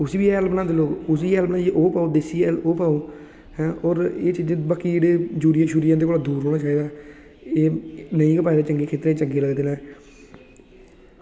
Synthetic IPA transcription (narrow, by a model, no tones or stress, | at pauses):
ʊsiːbiːɛlbənãːd̪eloːɡʊsiːɛːlbnãːeʔoːpaːod̪ɪsiːloːpaːoː | hɛ̃ːɔːɾeːt͡ʃiːd͡ʒbaːkːid͡ʒeːɽeːd͡ʒuːɾɪjãːʃʊːɾɪjãːd̪eːkoːlaːd̪uːɾɦoːɽ̃aːt͡ʃaːiːd̪aː | eːnəĩːkəpaːid̪eːt͡ʃəŋɡeːkʰeːt̪ɾeːit͡ʃəŋɡeːləɡd̪eːnaː